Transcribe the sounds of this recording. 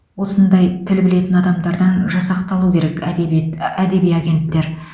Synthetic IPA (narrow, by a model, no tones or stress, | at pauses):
wo̞sənd̪ɑjt̪ʰɪlbɪle̞t̪ɪnɑd̪ɑmd̪ɑɾd̪ɑnʒɑsɑqt̪ɑlˠukʲʰe̞ɾe̞k | æd̪e̞bijaɡʲe̞nt̪ːe̞ɾ